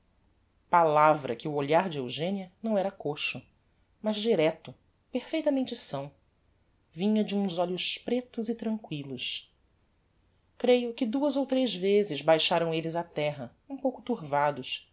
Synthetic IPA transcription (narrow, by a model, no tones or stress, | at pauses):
palavɾɐ̰kɪʊoʎaɾd͡ʒɪewʒẽniɐnɐ̃w̃ɛɾɐkoʃʊ | mɐzd͡ʒiɾɛt̪ʊ | peɾfejt̪ɐmẽnt͡ʃɪsɐ̃w̃ | vĩɲɐd͡ʒɪũzɔʎʊʃpɾet̪ʊzɪt̪ɾɐ̃ŋkwilʊs | kɾejʊkɪd̪uɐzowt̪ɾezvezɪzbajʃaɾɐ̃w̃elɪzɐt̪ɛɦɐ | ũpowkʊt̪uɾvad̪ʊʃ